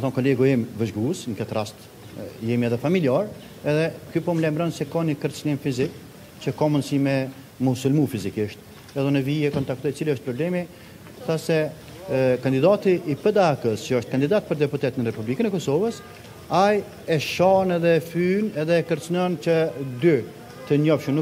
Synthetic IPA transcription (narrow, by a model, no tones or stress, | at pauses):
naθɔnkɔlɛɡɔɛmvəʒɡusŋkɛt̪ɾast̪ | jɛmiɛðɛfamiliaɾ | ɛðɛkypɔmlajmɾɔnsɛkaɲəkəɾt͡snimfizik | t͡ʃəkamənsimɛ | musulmufizikiʃt̪̚ | ɛðɔnəviɛkɔnt̪ak̚t̪ɔjt͡siliəʃt̪̚pɾɔblɛmi | θasɛ | kand̪id̪at̪iʔːpəd̪aːkəst͡ʃəɔʃt̪̚kand̪id̪at̪̚pəɾd̪ɛput̪ɛt̪nəɾɛpublikənɛkɔsɔvəs | aj | ɛʃɔnɛðɛfynɛðɛːkəɾt͡snɔnt͡ɕəd̪y | t̪əɲɔfʃnu